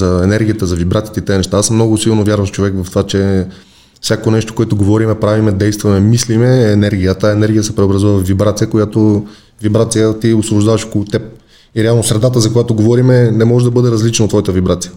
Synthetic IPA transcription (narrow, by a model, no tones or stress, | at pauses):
zɐɛnɛɾɡʲijət̪əzɐvibɾat̪iə̥t̪ɛit̪ɛnɛʃt̪aasmnɔɡʊsilˠnovjaɾvɐmft͡ʃovɛkvɐft̪ovat͡ʃɛ | fsʲjakonɛʃt̪o̥koɛt̪oɡovɔɾimɛpɾavimɛd̪ɛjst̪vɐmɛmislimɛːnɛɾɡʲijət̪əɛnɛɾɡʲijəsɛpɾɛobɾɐzuvəvvːibɾat̪sijəkojat̪o | vibɾat̪sijət̪iʊsvobʊʒd̪avɐʃkolˠot̪ɛp̚ | iɾɛalˠnosɾɛd̪at̪əzɐkojat̪oɡovɔɾimɛnɛmɔʒɛd̪ɐbɤd̪ɛɾɐzlit͡ʃnot̪vɔjət̪əvibɾat̪sijə